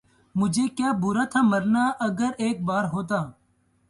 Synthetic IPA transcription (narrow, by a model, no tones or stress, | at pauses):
mʊd͡ʒʱeːkjaːbʊːɾaːt̪ʰaːməɾnaːʔəɡəɾeːk̚baːɾɦoːt̪̬aː